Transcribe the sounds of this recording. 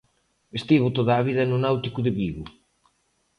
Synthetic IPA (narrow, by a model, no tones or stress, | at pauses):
est̪iβʊt̪oðaːβiðɐnʊnawt̪ikuðeβiβʊ